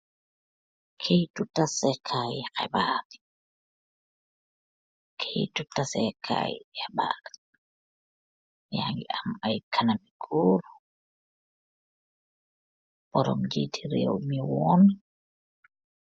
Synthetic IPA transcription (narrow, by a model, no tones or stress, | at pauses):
kʰejtutasɛkʰajɛkɛ̰baːti̥ | kʰejtutasɛkʰa̰ːjɛba̰ːdḁ | jaŋɡiʔamajkʰanamikʰuːɾu | bɔɾɔmd͡ʒitiɾḛwmiwɔn